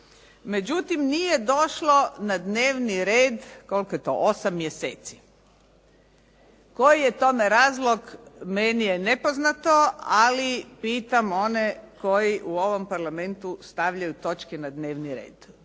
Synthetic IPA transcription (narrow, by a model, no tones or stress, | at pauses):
me̞d͡ʒut̪imnije̞d̪o̞ʃlonad̪ne̞ːʋniɾeːd̪ko̞lkojet̪o̞̰ʔosamːjesḛːt̪si | ko̞jijet̪o̞meɾaːzlˠoɡmenijene̞poznat̪oalipiːt̪amo̞nekojiʔuo̞ʋo̞mpaɾlˠame̞nt̪ust̪aʋʎajut̪o̞t͡ʃkenad̪neːʋniɾe̞̰ːd̪̥